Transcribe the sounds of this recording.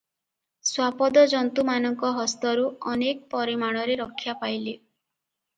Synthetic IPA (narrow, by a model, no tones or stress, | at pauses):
swapɔd̪ɔd͡ʒɔnt̪umanɔŋkɔɦɔst̪ɔɾuɔnek̚pɔɾimaɽ̃ɔɾeɾɔkʰːjapajli